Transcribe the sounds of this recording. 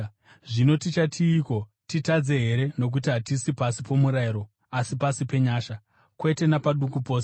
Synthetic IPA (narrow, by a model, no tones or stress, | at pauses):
ʐino̞tit͡ʃatʰiːko̞ | titad͡zeɦe̞ɾe̞no̞k̬utiɦatisipasipʰo̞muɾaiɾo̞ | asipasipe̞ɲaːʃa | kwe̞te̞napaɗukupo̞ːse